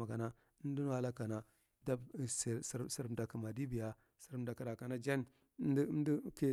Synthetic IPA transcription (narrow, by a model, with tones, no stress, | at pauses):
a˨ka˨na˦ | n˦du˦n˦wa˦la˦ka˨na˨ | da˦˨ssɾsi˨ɾda˨kə˨ma˨di˦bi˨ja˦ | si˨ɾm˦da˨ki˨ɾa˨ka˨na˦d͡ʒa˦n˦ | n˦di˦ki˦˨